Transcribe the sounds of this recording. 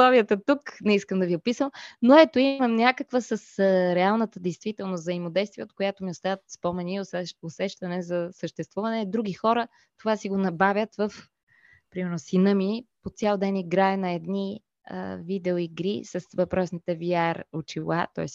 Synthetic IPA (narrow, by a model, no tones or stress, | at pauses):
ɔviət̪ət̪uknɛiskəmd̪ɐviopisəmnoɛt̪oiməmnʲakəkvəsəsɾɛalˠnət̪əd̪ɛjst̪vit̪ɛlˠnozɐimod̪ɛjst̪viɛot̪kojat̪omiost̪avət̪spomɛniosɛosɛʃt̪ɐnɛzɐsəʃt̪ɛst̪vuvɐnɛd̪ɾuɡixɔɾə | t̪ovasiɡonɐbavʲjət̪vəf | pɾimɛɾnʊsinəmipot̪sʲjalˠd̪ɛniɡɾaɛnɐɛd̪ni | ə̰vid̪ɛoiɡɾisɐsvɐpɾɔsnit̪ɛviaɾʊt͡ʃilˠa̰t̪ɔ̰ɛs